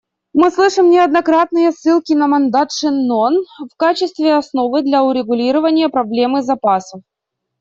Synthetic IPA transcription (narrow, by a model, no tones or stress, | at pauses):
mɨslˠɨʂɨmnʲɪɐd̪nɐkɾat̪nɨjəsːɨlˠkʲɪnɐmɐnd̪at̪ʂɨnːonfkat͡ɕɪst̪vʲɪɐsno̞vɨd̪lʲɐʊɾʲɪɡʊlʲiɾəvənʲɪjəpɾɐblʲe̞mɨzɐpasəf